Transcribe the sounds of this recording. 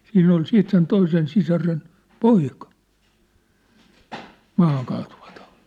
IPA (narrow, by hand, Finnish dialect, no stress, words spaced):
siːnː ol siːt sen toisen sisɑren poikɑ mɑːhɑŋkɑːtuʋɑtɑ̥u̥ti̥